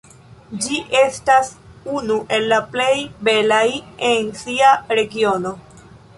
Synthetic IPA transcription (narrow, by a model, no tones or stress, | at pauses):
d͡ʒiʔe̞stasunuʔe̞lːaple̞jbe̞lajensiaɾe̞ɡio̞no̞